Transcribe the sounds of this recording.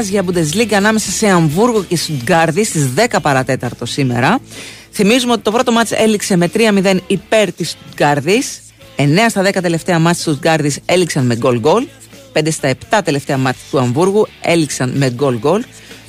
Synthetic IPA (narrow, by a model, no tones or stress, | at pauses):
t͡sʝɐbud̪e̞zliɡɐːnɐme̞sɐse̞ɐɱvuɾɣoce̞st̪ud̪ɡɐɾðist̪izðe̞kɐpɐɾɐt̪e̞t̪ɐɾt̪o̞sime̞̰ɾɐθimizumeo̞t̪i̥t̪pɾo̞t̪o̞mɐt͡se̞̰likse̞me̞t̪ɾiɐmiðe̞nipe̞ɾt̪ist̪ud̪ɡɐɾðis | e̞ne̞ɐst̪ɐðe̞kɐt̪e̞le̞ft̪e̞ɐmɐtst̪ut̪ɡɐɾðise̞liksɐnme̞ɡo̞lɡo̞l | pend̪est̪ɐe̞pt̪ɐt̪e̞le̞ft̪eɐmɐt͡si̥t̪uɐɱvuɾɣue̞̰liksɐnme̞ɡo̞lɡo̞l